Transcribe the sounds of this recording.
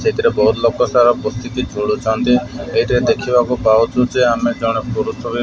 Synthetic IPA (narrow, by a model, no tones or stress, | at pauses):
seɦit̪iɾebɔɦut̪lokɔsaɾɔpɔst̪ik̪id͡ʒʱoɽut͡ʃant̪ieɦiʈed̪ekʰibakupaut͡ʃʰud͡ʒeamed͡ʒɔwɽ̃epɔɾusɔbi